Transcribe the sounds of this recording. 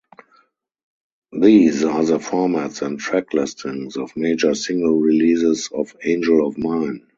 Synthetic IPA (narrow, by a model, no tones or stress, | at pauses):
ðiːzaːðəfɔɹmætsɛ̃ntʰɹɛkʰlɪstʰɪ̃ŋsɔfmeɪd͡ʒə˞sɪ̃ŋɡəlɹiliːsɪsɔfẽɪ̃nd͡ʒəlɔfmãɪ̃n